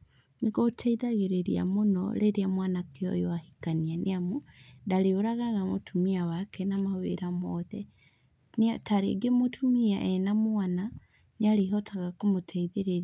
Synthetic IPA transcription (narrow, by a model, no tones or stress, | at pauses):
neɣotʰɛiðaɣeɾeɾḭa̰monɔ̰ɾeɾeamwanakeɔ̰jɔahikanianʔeamondaɾeoɾaɣaɣamo̰tʰumiawakʰɛnamawḛɾamɔðɛ | ntaɾḛɡemotʰumiaʔɛnamwana | neaɾeɦɔtʰaɣakomotʰɛiðeɾeɾ